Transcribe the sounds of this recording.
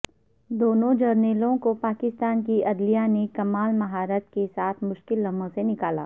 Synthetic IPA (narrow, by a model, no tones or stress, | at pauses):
d̪oːnõd͡ʒɐɾneːlõkopaːkɪst̪aːnkiɐd̪lijanekɐmaːlmɐɦaːɾət̪kesaːt̪ʰmʊʃkɪlːɐmə̃senɪkaːla̰ː